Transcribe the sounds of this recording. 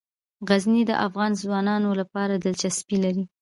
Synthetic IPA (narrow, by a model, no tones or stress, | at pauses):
ɣaznid̪ə̰ʔafɣɑnzwɑnɑnolapɑɾad̪ɪlt͡ʃaspilaɾi